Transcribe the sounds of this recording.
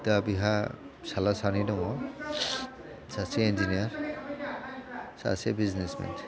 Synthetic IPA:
tabiɦa | salasanidɔŋɔ | saseind͡ʒiniaɾ | sa̰sebiznesmḛntʰ

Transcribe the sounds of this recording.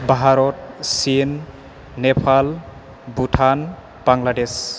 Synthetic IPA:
baɦaɾɔt̚sinː | epʰal | butʰan | b̥aŋlades

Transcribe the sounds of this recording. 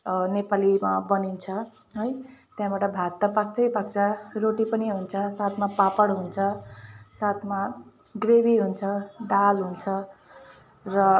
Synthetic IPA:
nepalimabʌnint͡sʰʌ | ɦʌjt̪jãbaʈʌbʱat̪ːapak̚t͡sʌjpak̚t͡sʰʌroʈipʌniɦunt͡sʰʌsat̪ʰmapapʌɽɦunt͡sʰʌsat̪ʰma | ɡrebiɦunt͡sʰʌd̪alɦunt͡sʰʌ | rʌ

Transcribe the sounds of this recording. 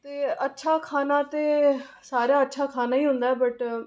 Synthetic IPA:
t̪eːətːʃʰaːkʰaːnaːt̪eː | saːɾejaːətːʃʰaːkʰaːnaːiːɦʊ̃nd̪aːɛːbəʈ

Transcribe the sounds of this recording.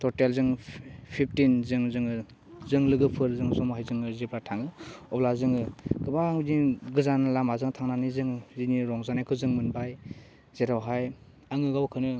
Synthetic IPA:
tɔtelzɯŋpʰip̚ʰtinzɯŋzɯŋɯ | zɯŋlɯɡɯpʰɯɾzɯŋsɔmɦajzɯŋɯzeplatʰaŋɯɔblazɯŋɯkɯbaŋniɡɯzanalamazɯŋtʰaŋnanizɯŋziniɾɔŋzanajkʰɯzɯŋmɯnbaj | z̥eɾawɦaj | aŋɯɡawkʰɯnɯ

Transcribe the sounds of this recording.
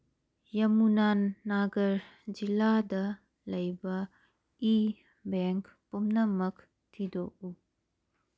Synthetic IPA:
jɐmunanːaɡɐɾd͡ʒiladɐ | lɐjbɐ | i | beŋkpumnɐmɐk | tʰidoʔu

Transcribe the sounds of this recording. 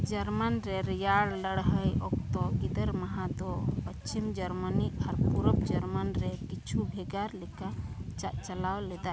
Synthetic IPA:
d͡ʒəɾmənɾeɾjaɽləɽɦəjɔk̚t̪ɔɡid̪əɾməɦad̪ɔpət͡ʃt͡ʃimd͡ʒəɾməniaɾpuɾəbd͡ʒəɾmənɾekit͡ʃʰubʱeɡaɾlekat͡ʃaʔt͡ʃəlawled̪a

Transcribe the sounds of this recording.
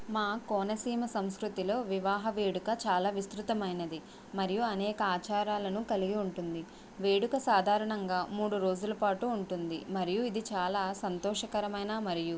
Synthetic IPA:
maːkɔːnɐsiːmɐsɐmskɾut̪ilo̞ːʋiʋaːɦɐʋeːɽukɐt͡ʃaːlaːʋist̪ɾut̪ɐmɐjnɐd̪i | mɐɾijuɐnɛːkɐaːt͡ʃaːɾaːlɐnukɐliɡiuɳʈund̪i | ʋe̞ːɽukɐsaːd̪ʱaːɾɐɳɐŋɡaːmuːɽuɾo̞ːd͡ʒulɐpaːʈuːɳʈund̪imɐɾijuid̪it͡ʃaːlaːsɐnt̪ɔːʂɐkɐɾɐmɐjnaːmɐɾiju

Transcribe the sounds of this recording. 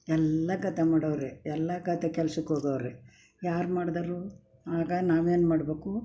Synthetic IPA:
ɛlːɐɡɐt̪ːemaːɽɐʋɾeɛlːɐɡɐt̪ekɛlsukːoːɡɐʋɾe | jaːɾmaːɽd̪ɐːɾu | aːɡɐnaːʋe̞ːnmaːɽbeːku

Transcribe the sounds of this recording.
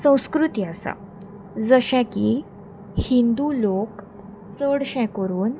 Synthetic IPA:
sə̃w̃skɾut̪iasa̰ | d͡zəɕɛ̃ki | hind̪ulok | t͡səɽɕɛ̃kəɾuːn

